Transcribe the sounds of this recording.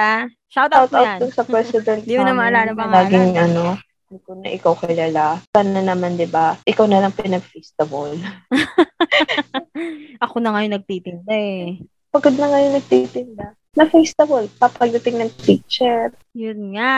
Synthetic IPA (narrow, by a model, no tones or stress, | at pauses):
a | ʃawt̪awt̪aw̪̚ʊnsɐpɾɛsɪd̪ɛnt̪d̪imʊnɐmɐɐlaːlɐbɐŋlaːɡɪŋʔɐno̞ | d̪ikʊnɐ̰ʔɪkawkɐlaːlasanɐnɐmand̪ɪbaʔɪkawnɐlɐŋpɪnɐɡfest̪ɐbol | ʔɐkonɐŋɐjonɐɡ̚t̪iːt̪ɪnd̪aɛ | pɐɡod̪̚nɐŋɐjoŋnɐɡ̚t̪it̪ɪnd̪a | nɐfejst̪ɐbolpɐpɐɡ̚d̪ɐt̪ɪŋnɐŋt̪ik̚t͡ʃɛɾ | jʊnŋa